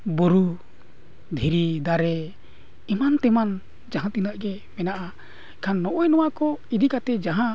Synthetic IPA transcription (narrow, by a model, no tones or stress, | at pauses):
boɾu | d̪ʱiɾid̪aɾɛ | imant̪ɛman | d͡ʒaɦãt̪inaʔɡɛ | mɛnaʔa | ɛkʰanːɔʔɔjnɔwakɔid̪ikat̪ɛd͡ʒaɦã